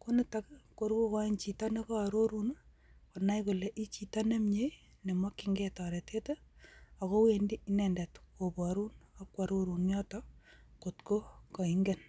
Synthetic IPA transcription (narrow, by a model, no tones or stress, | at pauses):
konɪtakkoɾkokant͡ʃitanekoaɾoɾun | konajkulɛʔit͡ʃitanemɲe | nemɔkiŋɡɛtaɾɛtʰeteakowendiinɛndɛtkobɔɾunakwaɾoɾunjɔːtɔkotkokɔiŋɡɛn